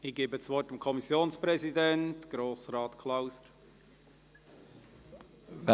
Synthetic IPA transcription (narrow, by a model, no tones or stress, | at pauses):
ɪɡ̥eːbət͡sʋɔrtamkʰɔmisjoːnspɾɛzidɛntɡ̥ɾoːsrɑːtkʰlaʊsəɾ